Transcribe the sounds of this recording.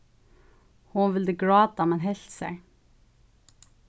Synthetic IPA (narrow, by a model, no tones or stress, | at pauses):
hʊnʋɪld̪əɡɹɑːd̪ɑmɛnɦɛɬt̪sæɪ